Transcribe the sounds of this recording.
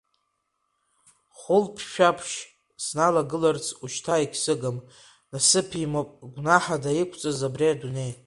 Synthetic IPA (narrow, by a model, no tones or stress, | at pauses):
χʊlpʰʃᶣapʰʃ | snalaɡɨlart͡sʰuʃtʰaikʲʰsɨɡam | nasɨpʰimopʼɡʷnaħadaikʷʰt͡sʼazabriadune̞j